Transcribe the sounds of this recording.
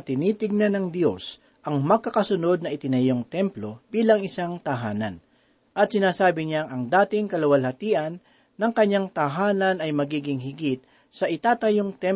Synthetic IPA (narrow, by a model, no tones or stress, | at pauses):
t̪ɪniːt̪ɪɡ̚nanɐŋd̪jo̞s | ʔɐŋmɐɡ̚kɐkɐsʊno̞d̪̚nɐʔɪt̪ɪnɐjo̞ŋt̪ɛmplo̞biːlɐŋɪsaŋt̪ɐɦaːnɐ̰n | ʔɐt̪̚sɪnaːsaːbɪɲaʔɐŋd̪aːt̪ɪŋkɐlɐwɐlhɐt̪iːʔɐnː | ɐŋkɐɲːaŋt̪ɐɦaːnɐnɐjmɐɡiːɡɪŋhɪɡɪt̪̚ | sɐʔɪt̪aːt̪ɐjoŋt̪ɛm